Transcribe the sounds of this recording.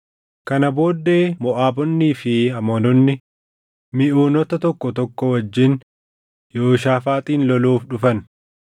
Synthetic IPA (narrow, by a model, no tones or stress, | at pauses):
kɐnɐbo̞ːd̪ːe̞ːmɔʔaːbɔnːiːfɪɐmɔnɔnːɪ | mɪʔuːnɔt̪ɐt̪ɔkːɔt̪ɔkːɔwɐd͡ʒːɪn | jo̞ːʃaːfaːt̪ʼiːnlɔloːfɗʊfɐn